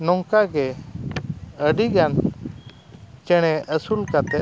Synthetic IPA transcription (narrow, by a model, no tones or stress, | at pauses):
nɔŋkaɡɛ | əɖiɡan | t͡ʃɛɽ̃ɛʔəsulkat̪ɛ